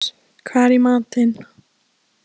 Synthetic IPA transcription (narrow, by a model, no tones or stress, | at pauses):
kʰaɾimat̪en